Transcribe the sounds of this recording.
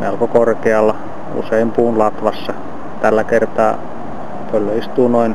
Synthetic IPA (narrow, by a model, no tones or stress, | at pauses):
meɑlkokorkeɑlːɑ | ṵseimpuːnlɑt̪ʋɑsːɑ | t̪ælːækert̪ɑː | pølːøist̪uːnoin